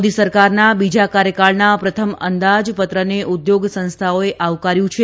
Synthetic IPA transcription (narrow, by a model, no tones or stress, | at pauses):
d̪isəɾkaɾnabid͡ʒakaɾjəkaɭnapɾət̪ʰəmə̰nd̪ad͡ʒpət̪ɾəneʔud̪joɡsə̃nst̪ʰaoeʔaʋkaɾjũt͡ʃʰe